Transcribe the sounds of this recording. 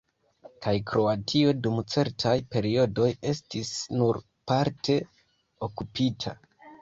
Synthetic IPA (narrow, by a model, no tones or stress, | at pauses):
kʰajkɾo̞atʰio̞dumt͡se̞ɾtʰajpe̞ɾio̞do̞je̞stisnuɾ | paɾtʰe̞ | o̞kupitʰa̰